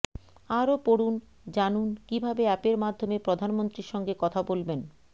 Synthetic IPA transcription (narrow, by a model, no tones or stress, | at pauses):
aɾopoɽun | d͡ʑanunkibʱabeɛpeɾmad̪ʱːomepɾod̪ʱanmont̪ɾiɾʃɔŋɡekɔt̪ʰabolben